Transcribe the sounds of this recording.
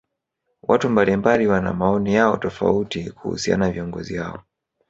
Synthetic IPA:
wʔatumbalimbaliwana̰maɔnijaɔtɔfa̰utikuhṵsia̰naaviɔŋɡɔziha̰ɔ̰

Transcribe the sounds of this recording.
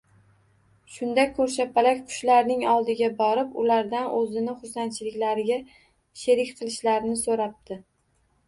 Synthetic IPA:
ʃʊnd̪akʰːɵɾʃ̬apalakʲqʰʊ̥ʃlaɾnɪŋɒlˠd̪ɪɡʲabɒɾɪpʊlaɾd̪anʔɵzɪnɪχʊsant͡ʃʰɪlɪkʲlaɾɪɡʲa | ʃeɾɪkʲqʰɨlˠɪʃlaɾnɪsoɾap̚t̪ɪ

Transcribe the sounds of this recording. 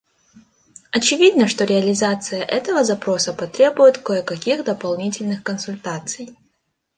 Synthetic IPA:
ɐt͡ɕɪvʲid̪nəʂt̪o̞ɾʲɪɐlʲɪzat̪sɨjəʔɛt̪əvəzɐpɾo̞səpɐt̪ɾʲebʊjɪt̪koəkɐkʲixd̪əpɐlˠnʲitʲɪlʲnɨxkənsʊlʲt̪at̪sɨj

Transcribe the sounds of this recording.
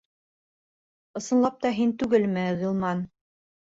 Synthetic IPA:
ɤ̆sɤ̆nlˠɑp̚t̪ɑɦint̪ʉɡɘlmɘʁɤ̆lˠmɑn

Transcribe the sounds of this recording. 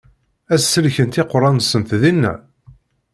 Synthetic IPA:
æsːəlçənt̪ɪqːɾˤɑnsənθðinːæ̰

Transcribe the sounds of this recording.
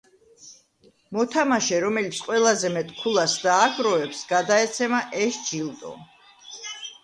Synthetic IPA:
mɔt̪ʰamaʃɛɾɔmɛlit̪sʰqʼwɛlˠazɛmɛt̪ʼkʰulˠasd̪aːɡɾɔɛpsɡad̪aɛt̪sʰɛmaʔɛʃd͡ʒilˠt̪ʼɔ̰

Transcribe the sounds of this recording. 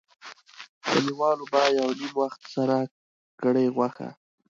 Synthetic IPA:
d̪̥əniwɑlobɑjawnimwaxt̪saɾa | ɡəɽəjɣwaxa̰

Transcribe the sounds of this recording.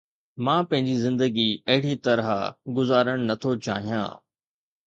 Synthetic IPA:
mãːpɐ̃ɦɪ̃ɲd͡ʑizɪ̃nd̪əɡiɐɦɪɽit̪ɐɾɦa̰ɡʊzaːɾəɽ̃nɐt̪ʰot͡ɕa̰ːɦijã̰ː

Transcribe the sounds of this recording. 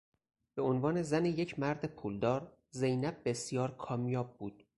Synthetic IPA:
b̥e̞onvɒːne̞zæneje̞cʰmæɾd̪epʰuːld̪ɒːɾ | ze̞jnæb̚ːesijɒːɾkʰɒːmjɒːb̚ːuːd̪̥̚

